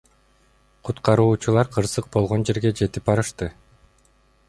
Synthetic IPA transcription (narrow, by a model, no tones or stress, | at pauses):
qʰut̪qɑɾuːt͡ʃulˠɑɾqʰɯɾsɯq̚bo̞lˠʁo̞nd͡ʒe̞ɾɡe̞d͡ʒe̞t̪ip̚bɑɾɯʃt̪ɯ